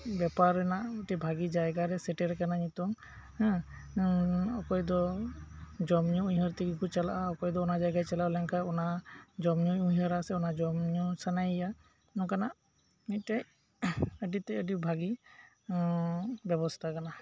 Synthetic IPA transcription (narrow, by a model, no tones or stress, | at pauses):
bɛpaɾɛnaʔuʈɛbʱaɡid͡ʒajɡaɾɛsɛʈɛɾɛkanaɲit̪ɔŋ | ɔkɔjd̪ɔ | d͡ʒɔmɲuujɦɔɾt̪ikikɔt͡ʃalaʔaɔkɔjd̪ɔɔnad͡ʒajɡat͡ʃalalɛŋkʰaɔnad͡ʒɔmɲuujɦəɾasɛɔnad͡ʒɔmɲusanajja | nɔkanaʔ | niʈaj | əʈit̪ɛəʈibʱaɡi | bɛbɔst̪ʰakana